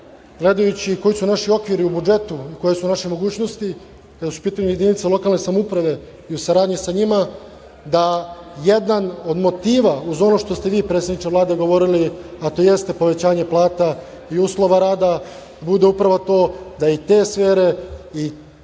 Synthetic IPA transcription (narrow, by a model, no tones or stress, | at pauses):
ɡle̞d̪ajut͡ɕiko̞jisunaʃio̞kʋiɾiubud͡ʒe̞t̪uiko̞jesunaʃemo̞ɡuːt͡ɕnost̪i | kad̪asu̥piːt̪aɲuje̞d̪init̪selˠo̞kalˠne̞samupɾaʋe̞ | iusaɾaːd̪ɲisaɲima | d̪aje̞d̪ano̞d̪mo̞t̪iːʋauzo̞no̞ʃt̪o̞st̪e̞ʋiːpɾet̪sed̪nit͡ʃ̪eʋlˠaːd̪eɡo̞ʋo̞ɾiliat̪o̞ːje̞st̪e̞po̞ʋe̞t͡ɕaːɲe̞plˠaːt̪a | iuːslo̞ʋaɾaːd̪a | bud̪e̞upɾaʋot̪o̞ːd̪ait̪e̞ːsʋe̞ːɾe̞i